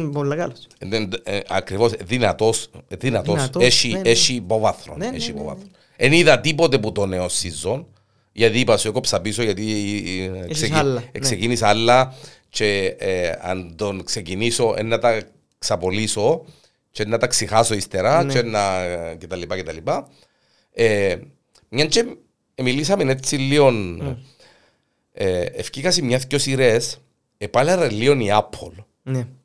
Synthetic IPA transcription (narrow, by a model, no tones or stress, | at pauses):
bolːɐkɐlenɐkɾivosðinɐt̪osðinɐt̪oseʃieʃiːpovɐθɾoneʃipo̰vɐ̰θɾon | eniðɐt̪ipot̪eput̪oneosizːon | ʝɐt̪iːpɐsuekopsɐpisoʝɐt̪i | sekssecinisɐlːɐ | t͡ʃe | ɐ̰nd̪onkseciniso̞ʔḛnːɐt̪ɐ | ksɐpoliso | t͡ʃenːɐt̪ɐksixɐsoist̪eɾɐt͡ʃenːɐcet̪ɐlːipɐcet̪ɐlipɐ | e | mɲɐnt͡ʃe | emilisɐmenet͡sːilːion | eḛfcikɐsimɲɐθcosiɾes | epɐleɾɐlːioniapʰːol